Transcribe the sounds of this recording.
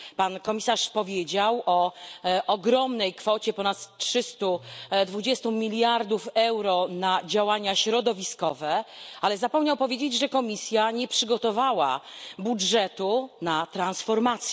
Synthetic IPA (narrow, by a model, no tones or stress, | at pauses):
pankɔmʲisaʂpɔvʲjed͡ʑawʔɔʔɔɡɾɔmnɛjkfɔt͡ɕɛpɔnat̪tʂɘst̪ud̪vud͡ʑɛst̪umʲilʲjaɾd̪ufɛwɾɔnad͡ʑawaɲaɕɾɔd̪ɔvʲiskɔvɛalɛzapɔmɲawpɔvʲjed͡ʑed͡ʑʐɛkɔmʲisʲjaɲɛpʂɘɡɔt̪ɔvawa̰budʐɛt̪unat̪ɾansfɔɾmat̪sʲjɛ